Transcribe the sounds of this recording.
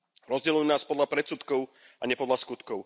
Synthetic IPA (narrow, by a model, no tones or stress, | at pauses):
ɾɔzɟɛlujunaːspɔd̪lapɾɛt̪sut̪kɔʊ | aɲɛpɔd̪laskut̪kɔʊ